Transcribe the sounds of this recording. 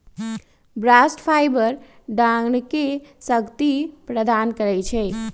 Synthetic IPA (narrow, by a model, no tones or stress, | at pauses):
bɾasʈpʰajbəɾ | ɖãɡɳkesəɡt̪ipɾəd̪ankəɾɛt͡ʃʰɛ